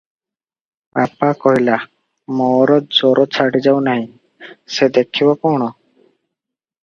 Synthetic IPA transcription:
papakɔɦila | mɔɾɔd͡ʒɔɾɔt͡ʃʰaɽid͡ʒawnaɦĩ | sed̪ekʰibɔpɔɳ̃ɔ

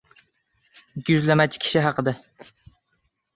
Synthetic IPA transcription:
ɪkʲʰːjyzlɛmɛt͡ʃʰkʲʰi̥ʃiɦɑqəd̪ɛ

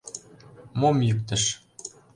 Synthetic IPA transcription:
momjykt̪ə̆ʃ

